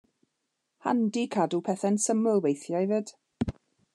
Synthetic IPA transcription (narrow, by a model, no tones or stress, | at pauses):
ha̰ndikʰadupʰɛθɛnsəməlˠwejθjajvəd̥